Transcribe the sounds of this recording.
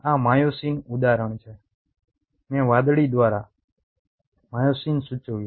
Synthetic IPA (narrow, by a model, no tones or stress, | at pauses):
amajosinud̪aɾəɳ̃t͡ʃʰe | mɛ̃ʋad̪ɽid̪ʋaɾa̰ | majosinsut͡ʃəʋju